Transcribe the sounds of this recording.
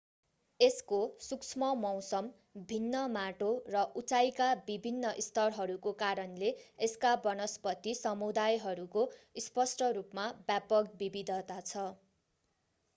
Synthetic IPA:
eskosuksʰmʌmʌw̃sʌm | bʱinːʌmaʈorʌʔut͡sajkabibʱinːʌʔist̪ʌrɦʌɾukokaɾʌnleeskabʌnʌspʌt̪ːisʌmud̪ajɦʌɾukospʌsʈʌɾupmabjapʌk̚bibid̪ʱʌt̪at͡sʰʌ

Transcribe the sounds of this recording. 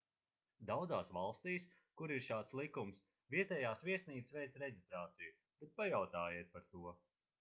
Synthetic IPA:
d̪awd̪zaːsvalˠst̪iːs | kuɾiɾʃaːt̪slˠikums | viɛt̪ɛːjaːsviɛsniːt̪svɛjt̪sɾɛɟist̪ɾaːt̪siju | b̥ɛt̪̚pajawt̪aːjiɛt̪̚paɾt̪uɔ

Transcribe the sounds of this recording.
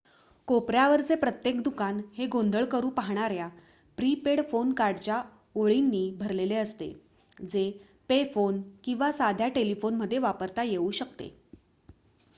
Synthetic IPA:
kopɾjaʋəɾt͡sepɾət̪jekd̪ukanɦeɡond̪ʱəɭkəɾuːpaɦɳ̃aɾja | pɾipeɽfonkaɾɖt͡ɕa | oɭinːiːbʱəɾleleəst̪ḛ | d͡ze | pefonkĩw̃ʋasad̪ʱjaʈelifonməd̪ʱːjeʋapəɾt̪ajeuːɕəkt̪ḛ

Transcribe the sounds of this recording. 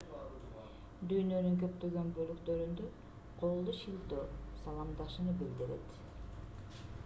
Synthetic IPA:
d̪yjnø̞nyŋkø̞pt̪ø̞ɡø̞nbø̞lykt̪ø̞ɾynd̪ø | qʰo̞lˠd̪uʃilt̪øːsɑlˠɑmd̪ɑʃɯnɯbild̪iɾe̞̰t̪

